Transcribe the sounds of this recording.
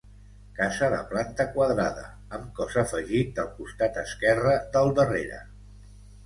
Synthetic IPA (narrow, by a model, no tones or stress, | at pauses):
kazəðə̰plant̪əkwəðɾaðə̰ | əmkɔzəfəʒit̪̚d̪əlˠkust̪at̪əskɛrəd̪əlˠd̪ərḛɾə̰